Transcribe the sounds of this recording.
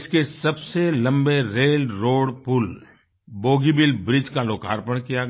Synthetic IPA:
skesɐbselɐ̃mbeɾeːlɾoːɽpʊl | boːɡibɪlbɾɪd͡ʒkaloːka̰ːɾpəɽ̃kijaɡ

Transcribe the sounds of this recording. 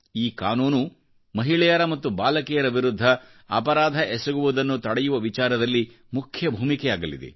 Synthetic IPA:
iːkaːnuːnu | mɐɦiɭɛjɐɾɐmɐt̪ːubaːlɐkijɐɾɐʋiɾud̪ʱːɐ | ɐ̰pɐɾaːd̪ʱɐʔɛsɐɡuʋud̪ɐnːut̪ɐɽɛjuʋɐʋit͡ʃaːɾɐd̪ɐlːi | mukʰjɐbʱuːmikɛjaːɡɐlḭd̪ḛ

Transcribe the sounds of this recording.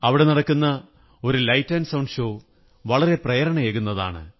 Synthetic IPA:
ɐʋiɽe̞nɐɽɐkːunːɐ | o̞ɾulɐjtːɐnsɐwɳɖʂɕoː | ʋɐɭɐɾe̞prɐjɐɾɐɳɐjeːkunːɐða̰ːɳɨ̰

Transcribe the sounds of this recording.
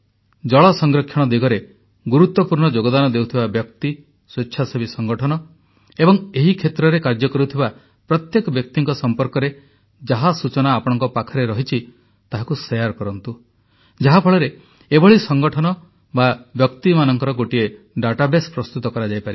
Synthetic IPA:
d͡ʒɔɭɔsɔŋɡɾɔkʰjɔɽ̃ɔd̪iɡɔɾe | ɡuɾut̪wɔpuɾɳɔd͡ʒoɡɔd̪anɔd̪ewt̪ʰibabjɔkt̪i | swetːʃʰasebisɔŋɡɔʈʰɔnɔ | ebɔŋeɦikʰet̪ɾɔɾekaɾd͡ʒɔkɔɾut̪ʰiba | pɾɔt̪jekɔbjɔk̚t̪iŋkɔsɔmpɔɾkɔɾe | d͡ʒaɦasut͡ʃɔnaːpɔɽ̃ɔŋkɔpakʰɔɾeɾɔɦit͡ʃʰi | t̪aɦakusejaɾkɔɾɔnt̪u | d͡ʒaɦapʰɔɭɔɾe | ebɔɭisɔŋɡɔʈʰɔnɔ | babjɔkt̪imanɔŋkɔɾɔɡoʈie | ɖaʈabespɾɔst̪ut̪ɔkɔɾad͡ʒajpaɾi

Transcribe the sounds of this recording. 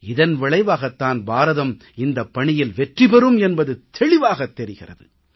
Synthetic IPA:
ɪðɐnʋɪɭɐɪʋaːɣɐt̪ːaːnbaːɾɐðɐm | ɪnd̪ɐpːɐɳɪjɪlʋɛʈrɪpɛɾɯmɛnbɐðɯt̪ʰɛɭɪʋaːɣɐt̪ːɛɾɪɣɪrɐ̰ðɯ̰

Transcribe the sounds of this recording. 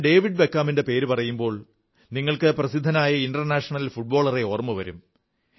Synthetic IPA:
ɖe̞ːʋiɖ̚bekːaːminde̞pe̞ːɾupɐrɐjumbo̞ːɭ | niŋːɐɭkɨprɐsid̪ʱːɐnaːjɐinɖɐrnaːʂɐɳɐlfuʈ̚bo̞ːɭɐreo̞ːrmɨʋɐɾum

